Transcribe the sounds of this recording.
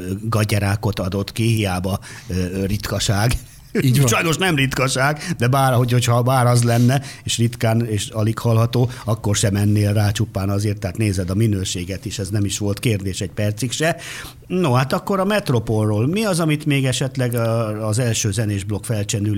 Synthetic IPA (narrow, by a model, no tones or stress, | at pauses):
ɡɒɟɛɾaːko̞t̪ɒd̪o̞t̪kihijaːbɒ | rit̪kɒʃaːɡ | ʃɒjnoʃnɛmrit̪kɒʃaːɡd̪ɛbaːɾho̞cho̞chɒbaːɾɒzlɛnːɛeːʃrit̪kaːneːʃɒlikhɒlɦɒt̪oːɒkːo̞rʃɛmɛnːeːlraːt͡ʃupːaːnɒzeːrt̪ːɛaːt̪neːzɛd̪ɒminøːʃeːɡɛt̪eːʃɛznɛmiʃʋo̞lt̪keːrd̪eːʃɛɟ̚pɛrt̪sikʃɛ | nohat̪ɒkːo̞ɾɒmɛt̪ro̞po̞lroːlmiɒzɒmit̪meːɡɛʃɛt̪lɛɡːzɛlʃøːzɛneːʒblo̞kfɛlt͡ʃɛnyl